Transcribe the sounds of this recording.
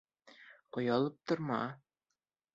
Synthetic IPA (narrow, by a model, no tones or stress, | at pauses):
qŏjɑlˠɤp̚t̪ŏɾmɑ̰